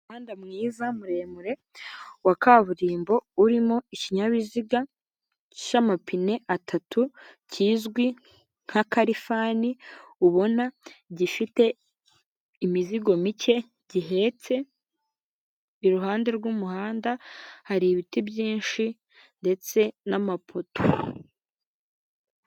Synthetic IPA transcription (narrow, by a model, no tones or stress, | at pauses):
uhaːndamŋiːzamuɾe̞ːmuɾe̞ | wakaβuɾiːmbo̞uɾimo̞iciɲaβiziɡa | ʃamapʰine̞ʔatʰatʰuciːzɡwi | ŋ̥hakaɾifaniuβo̞naɟifite̞ | imiziɡo̞mice̞ | ɟiɦe̞t͡se̞ | iɾuɦaːnde̞ɾɡumuhaːndahaɾiβitibɟiːnʃi | nde̞t͡se̞namapʰo̞to